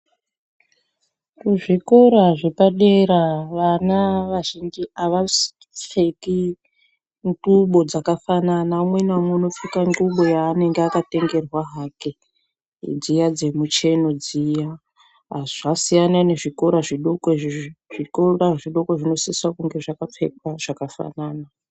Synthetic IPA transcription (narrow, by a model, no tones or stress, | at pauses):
kuʐiko̞ɾaʐepaɗeɾaʋanaʋaʒind͡ʒiaʋa | p͡feki | ŋɡuɓo̞d͡zakafananaumwenamweono̞p͡fikaŋɡuɓo̞jaːne̞ŋɡeakate̞ŋɡe̞rwaɦake | d͡zijad͡ze̞mut͡ʃe̞no̞d͡zija | ʐasijanane̞ʐiko̞ɾaʐiɗokoʐikoraʐiɗo̞ko̞ʐino̞siswakuŋɡe̞ʐakap͡fḛkwaʐ̥akafa̰naːna